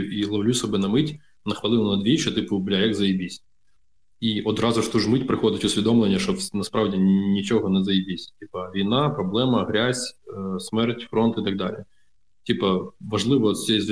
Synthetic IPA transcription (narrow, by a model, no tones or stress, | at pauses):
iɦlˠɔwlʲusʲɔbɛnɐmɪtʲ | nɐxʋɐlˠɪw̪ˠnɐd̪ʲʋʲit͡ʃɛt̪ɪpʊblʲajɐɡzɐjɪbʲisʲ | iʔɔd̪ɾɑzʊʃt̪uʒmɪtʲpɾɪxɔd̪ɪtʲʊsʲʋʲid̪ɔmlˠenʲːɐʃɔnɐspɾɑʋdʲinʲit͡ʃɔɦɔnɛzɐjɪbʲisʲtʲipɐʋʲijnɑpɾɔblˠɛmɐɦɾʲazʲsmɛrtʲfɾɔnt̪ɪt̪ɐɡ̚d̪ɑ̰lʲḭ | tʲipɐʋɐʒlˠɪʋɔsʲɛjzʋʲ